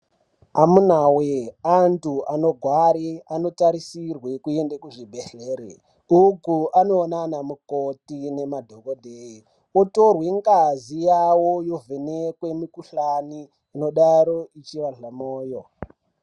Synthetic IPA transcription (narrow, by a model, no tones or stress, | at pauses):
amunaweantuano̞ɡʱwaɾiano̞taɾisirwekuendekuʐibʱeɬeːɾḛ | ukuanoːnanamukotine̞madʱo̞kodʱei | oto̞rweŋkazijawojo̞vʱenekwe̞mikuɬaniː | no̞ɗaɾo̞it͡ʃiʋaɮamoːjo